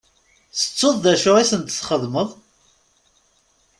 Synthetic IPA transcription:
θə̥t͡sːoðˤðæʃʊʁisənt̪sχəðməðˤ

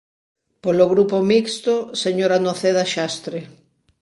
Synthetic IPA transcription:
poloɣɾupomikst̪oseɲoɾanoθeðaʃast̪ɾe

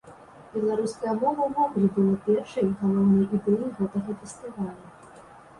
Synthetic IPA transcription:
bʲɛlˠaɾuskɐjɐmɔvɐwvɔkɾʲibɨlˠɐpʲɛrʂɨjɣɐlˠɔwnɨjʔid̪ɛjiɣɛt̪ɐɣɐfʲɛsʲt̪ɨvalʲu

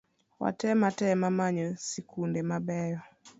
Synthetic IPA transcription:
wa̰tɛmatɛmamaɲɔsikundɛmabɛjɔ

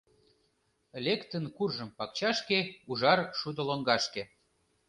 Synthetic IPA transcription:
lʲekt̪ənkurʒəmpɑkt͡ɕɑʃkeuʒɑrʃud̪ŏloŋɡɑʃke

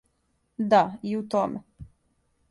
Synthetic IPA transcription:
d̪aiut̪ome

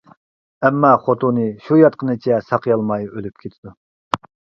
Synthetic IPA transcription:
ɛmːɑχot̪unɨʃujɑt̪̚qʰənɨt͡ʃʰɛsɑqʰjɑlˠmɑjølyp̚kʲʰet̪ʰɪd̪u

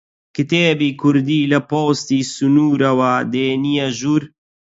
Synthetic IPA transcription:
kɨt̪eːbiːkʰʊɾd̪iːlɐpoːst̪iːsunuːɾɐwɐd̪eːnijaʒuːɾ

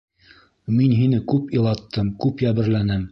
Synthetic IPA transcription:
minɦinɘkʉpilˠɑt̪ʰːɤmkʉpjæβɘ̆ɾlænɘm

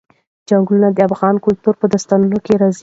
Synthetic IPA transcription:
d͡ʒaŋɡlunad̪əafɣɑnkʊlt̪uɾpəd̪ast̪ɑnəlokeɾɑz

